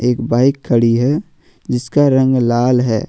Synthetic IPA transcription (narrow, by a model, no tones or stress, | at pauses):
eːkbaːɪkʰːəɽiɦɛ | d͡ʒɪskaɾə̃ŋɡlaːlɦɛː